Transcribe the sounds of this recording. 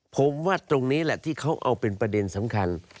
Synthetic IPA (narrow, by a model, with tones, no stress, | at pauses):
pʰo˩˦mwaː˥˩t̪ɾo˧ŋniː˦˥lɛ˨˩ʔt̪ʰiː˥˩kʰa˦˥wʔa̰˧wpe˧npɾa˧de˧nsa˩˦mkʰa˧n